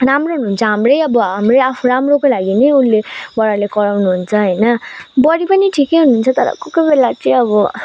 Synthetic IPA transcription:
ramroɦunuɦːnt͡sʰʌɦamrʌjʌbʌɦamrʌjapʰuɾamrokolaɡinʌjulːebʌɾalekʌɾawnuɦunt͡sʰʌɦʌjnʌbʌɽipʌniʈʰikeɦunuɦunt͡sʰʌt̪ʌɾʌ̰kokobelat͡sʌĩʌbʌ

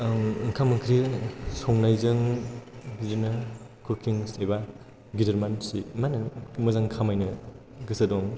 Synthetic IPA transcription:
ŋŋkʰamɯŋkʰɾisɔŋnajzɯŋ | bzinɐ | kʰɯkʰiŋseba | ɡidɐɾmansimanɯmuzaŋkʰamajnɐ | ɡɯsɐdɔŋ

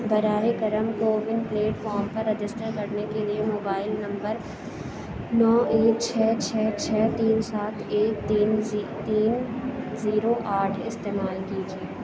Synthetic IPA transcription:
bɐɾaːʋekɐɾəmkoːʋɪnpleːʈfɔːɾmpɐɾːɪd͡ʒɪsʈəɾkɐɾnekeliemoːbaːɪlnɐ̃mbəɾ | nɔːeːkt͡ʃʰɛːt͡ʃʰɛːt͡ʃʰɛːt̪iːnsaːt̪ʰeːkt̪iːnt̪iːnziːɾoʔaːʈʰɪst̪eːmaːlkiːd͡ʒieː

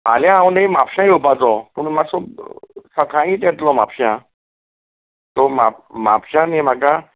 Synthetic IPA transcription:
ma̰ljããwnaimapɕãjupat͡sɔpuɳmasub̚səkʰãĩːt̪ɛt̪lɔma̰pɕã | t̪ɔmama̰pɕãnim̤aka

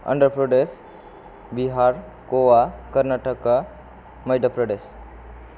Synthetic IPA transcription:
ə̰ɳɖəɾpɾoɖes | biɦaɾ | koʋakəɾnaʈəka | məjɖəpɾoɖes

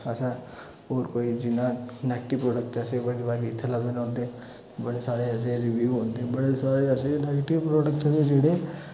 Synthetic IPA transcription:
əsã | oːɾkoːid͡ʒɪnãnɛɡʈipɾoːɖək̚ʈəsebəɽibaːɾiɪt̪ʰːəlabenɦõːnd̪e | bəɽesaːɽeəs̬eɾɪʋiuɦõnd̪ebɐɽesaːɾeəseneːɡʈɪʋpɾoːɖək̚ʈõd̪ed͡ʒeːɽe

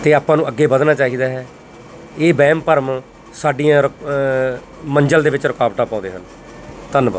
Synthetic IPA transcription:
t̪eːaːpãːnũːəɡːeːbəd̪naːt͡ʃaːɦiːd̪aːɦɛː | eːbɛːmpəɾm | saːɖiːãːɾə | məɲd͡ʒəld̪eːʋɪt͡ʃɾəkaːʋʈaːpãːd̪eːɦən | t̪ənbə

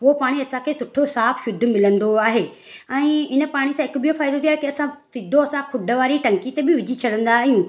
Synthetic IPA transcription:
popaːɽ̃iɐsãkʰesʊʈʰosaːfʃʊd̪ʱmɪlə̃nd̪oaːɦeː | ɛ̃ːɪnə̆paːɽ̃isãɪkbʱijofaːɪd̪ot̪ʰiaɦekiɐsãsɪd̪ʱoɐsãkʰʊɖʱəʋaːɾiʈɐ̃ŋkit̪ebɪʋɪd͡ʑʱit͡ɕʰɐɽə̃nd̪aɦijũː

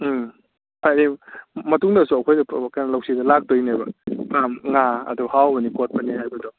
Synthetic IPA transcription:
pajnimɐtuŋdɐsuɐkʰojdɐpkajnalawsidɐlak̚dojnajbɐ̰pamŋaɐ̰duhawbɐnikot̚pɐnːihajbɐdɔ

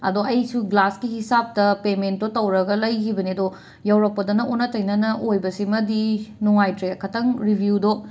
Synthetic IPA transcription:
ɐ̰doɐjsuɡlaskihisap̚tɐpementːotɐwɾɐɡɐlɐjkʰibɐniɐdo | jɐwɾɐk̚pːɐdɐnɐʔonːɐtɐjnɐnɐʔojbɐsimɐdinuŋajtɾekʰɐtɐŋɾibʱjudo

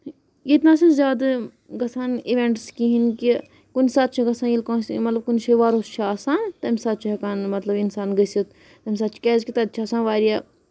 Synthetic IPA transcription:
jet̪naːsɐ̃nzʲjaːd̪ | ɡɐsaːniʋeɳʈskĩɦinki | kunsaːt̪̚t͡ʃʰiɡɐsãːjilkõːsmɐt̪lɐb̚kunt͡ʃʰiʋaːɾost͡ʃʰaːsãːnt̪ɐmʲsaːt̪̚t͡ʃʰiɦɐkaːnmɐt̪lɐbinsaːnɡəsit̪ | t̪ɐmʲs̬aːt͡ʃʰi̥keːzkʲit̪ɐd̪̚t͡ʃʰasãːnʋaːɾijaː

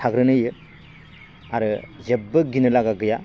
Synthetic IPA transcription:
tʰaɡɾɯnɯjɯ | aɾɯjebːɯɡinɯlaɡaɡɯja

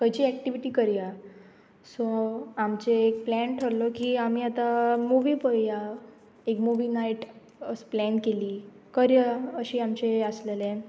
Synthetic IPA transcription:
kəjt͡ɕiːɛkʈiʋiʈiːkəɾja | sɔamt͡ɕeːk̚plɛɳʈʰəɾlɔkiamiːat̪amuʋiːpəɾja | ekmuʋiːnaiʈ | əsplɛnkeliː | kəɾjaəɕiːamt͡ɕeəslelɛ̃

